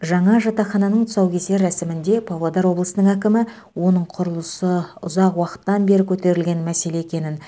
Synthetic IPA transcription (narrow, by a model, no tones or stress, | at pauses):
ʒɑɴɑʒɑt̪ɑχɑnɑnəɴt̪ʰʊ̥sɑwkʲʰe̞se̞ɾæsɪmɪnd̪e̞pʰɑvlˠod̪ɑɾwo̞blˠəsənəɴækʲɪmɪ | wo̞nəɴqʰʊɾəlˠəsəʊzɑqwɑqə̥t̪ːɑnbe̞ɾɪkʲʰɵt̪e̞ɾɪlɡʲe̞nmæse̞le̞ekʲe̞nɪn